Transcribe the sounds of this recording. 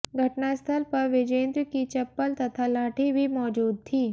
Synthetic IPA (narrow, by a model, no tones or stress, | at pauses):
ɡʱɐʈnaɪst̪ʰəlpɐɾʋɪd͡ʒẽːnd̪ɾkit͡ʃɐpːəlt̪ɐt̪ʰalaːʈʰibʱimɔːd͡ʒuːd̪̚t̪ʰiː